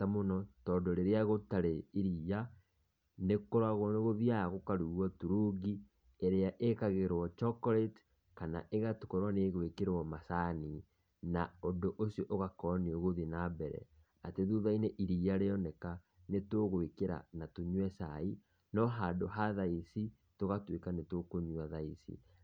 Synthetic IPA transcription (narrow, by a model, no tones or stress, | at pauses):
tamonɔtɔːdoɾeɾeaɣotaɾeiɾia | nekoɾaɣonoɣoðiaɣokaɾuɣwɔtuɾuɡi | eɾeaʔekaɣeɾwɔt͡ʃɔkɔɾet | kana̰ʔeɣatukɔɾwaneɣoekeɾwɔmasani | naondoʔosiɔʔoɣakɔneoɣoðinabɛɾɛ̰ | ateðuðaineʔiɾiaɾeɔnɛka | netoɣoekeɾa̰natoɲwɛsai | nɔɦadoɦaðaisi | toɣatwekanetokoɲwaðaisḭ